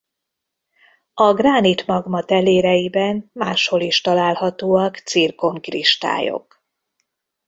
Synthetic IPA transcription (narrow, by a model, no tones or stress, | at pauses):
ɒɡraːnit̪mɒɡmɒt̪ɛleːɾɛjibɛnmaːʃho̞liʃt̪ɒlaːlhɒt̪oːɒkt̪sirko̞mkrḭʃt̪a̰ːjo̞̰k